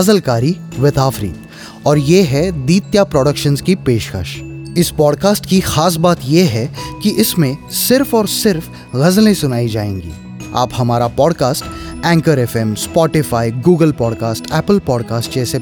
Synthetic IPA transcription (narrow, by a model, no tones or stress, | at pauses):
ɐzəlkaːɾiʋɪt̪aːfɾḭːt̪ | ɔːɾjeɦɛd̪iːt̪japɾoːɖəkʃənzkipeːʃkə̰ʃɪspɔːɖkaːsʈkixaːs̬baːt̪jeɦɛkiʔɪsmẽsɪɾfɔːɾsɪɾf | ɣɐzlẽsʊnaːid͡ʒaːḛ̃ːŋɡḭː | a̰ːphɐmaːɾapɔːɖkaːsʈ | ɛ̃ːŋkəɾɛfɛmspɔːʈɪfaːiɡuːɡəlpɔːɖkaːsʈɛːpəlpɔːɖkaːsʈd͡ʒɛːse